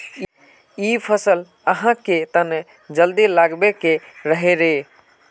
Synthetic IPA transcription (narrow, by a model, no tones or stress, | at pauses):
ipʰəsəl | əɦãket̪əne | d͡ʒəld̪ilaɡbekeɾəɦeɾe